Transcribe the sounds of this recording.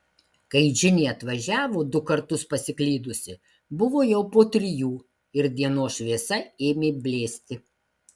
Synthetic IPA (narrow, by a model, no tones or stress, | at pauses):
kɐɪʒʲɪnʲeːɐt̪ʋɐʒʲæːʋoːd̪ʊkɐɾt̪ʊspɐsʲɪklʲiːd̪ʊsʲɪ | bʊʋoːjɛʊpoːt̪ʲɾʲɪjuː | ɪɾd̪ʲiɛnoːsʃʲʋʲeːsɐeːmʲeːbʲlʲeːsʲt̪ʲɪ